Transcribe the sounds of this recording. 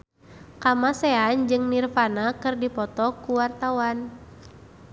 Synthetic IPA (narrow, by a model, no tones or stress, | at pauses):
kamasɛand͡ʒɨŋnirfanakɨrdipɔt̪ɔkuwart̪awan